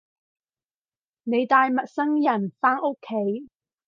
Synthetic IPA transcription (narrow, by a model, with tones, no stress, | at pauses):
ne˨˧jt̪aː˧jmɐ˨t̚sɐ˥ŋjɐ˨˩nfaː˥no˥kʰːe˨˥j